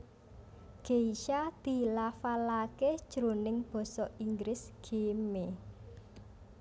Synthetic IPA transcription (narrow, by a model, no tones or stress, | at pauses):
ɡ̥eiʃad̪̥i̤lafalake̥ʒ̥əɾonɪŋb̥ɔ̤sɔiŋɡɾɪsɡ̥eme